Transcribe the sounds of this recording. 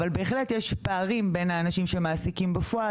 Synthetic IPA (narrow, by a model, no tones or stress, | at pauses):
valbe̞ːχletjeʃpaaʁimbe̞nhaːnaʃimʃe̞maːsikimbafoʔa